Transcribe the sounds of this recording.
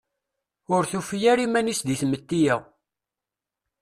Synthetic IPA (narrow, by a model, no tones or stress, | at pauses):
ʊɾθufjæɾimænisd̪iθmət̪ːijæ